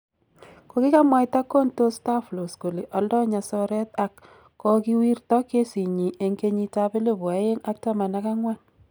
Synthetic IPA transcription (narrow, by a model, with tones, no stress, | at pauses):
ko˦ki˦ka˦mwa˨jta˦kːo˦nto˦sta˦flo˨sko˨le˨ʔɔ˨˦ldɔ˦ɲa˨sɔ˦ɾɛ˦ta˨kː | ɔ˦ki˦wi˦rtɔ˦ke˦si˨ɲi˨ʔe˨ŋke˦ɲi˦ta˦be˦le˦bwa˨˦je˦ŋa˦k̚ta˦ma˨na˦ka˦ŋwa˦n